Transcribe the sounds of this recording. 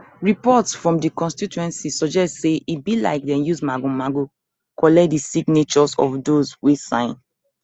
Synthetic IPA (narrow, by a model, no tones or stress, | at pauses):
ɹipɔtsfɹɔ̃mdikɔ̃nstitɛ̃nsisɔd͡ʒɛstseʔibila̰ɪk̚dɛ̃njuzmaɡomaɡo | kʰɔlɛt̚disiɡnet͡ʃɔzɔ̰vdozwesãɪ̃n